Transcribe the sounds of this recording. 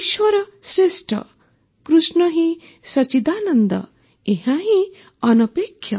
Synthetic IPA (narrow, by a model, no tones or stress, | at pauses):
iʃwʌɾʌsɾesʈɾʌ̰ | kɾusnʌɦĩ | sʌt͡ʃid̪aːnʌnd̪ʌ̰ | eɦãɦĩ | ʌnʌpekʰːjʌ